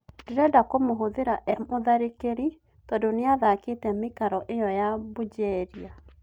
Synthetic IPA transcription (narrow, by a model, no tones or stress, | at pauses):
deɾɛdakomoɦoðeɾaʔɛmoðaɾekeɾi | tɔdoneaðaketɛmekaɾɔʔejɔjabod͡ʑɛɾia